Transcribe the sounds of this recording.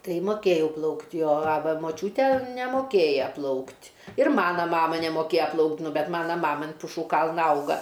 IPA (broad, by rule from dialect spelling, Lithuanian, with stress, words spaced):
ˈtɐɪ moːˈkʲeːjɛʊ ˈplˠɐʊktʲ joː ɐ ˈʋɐ moːˈt͡ʃʲuːtʲeː nʲɛmoːˈkʲeːjɛ ˈplˠɐʊktʲ ɪr ˈmɑːnɐ ˈmɑːmɐ nʲɛmoːˈkʲeːjɛ ˈplˠɐʊkt ˈnʊ ˈbʲɛt ˈmɑːnɐ ˈmɑːmɐ ɐn pʊˈʃuː ˈkɐlˠnɐ ˈɐʊɡɐ